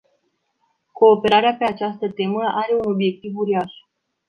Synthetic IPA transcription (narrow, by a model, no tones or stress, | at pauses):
ko̞ːpe̞ɾaɾeape̞at͡ʃast̪ət̪e̞məʔaɾe̞uno̞bje̞k̚t̪ivuɾiaʃ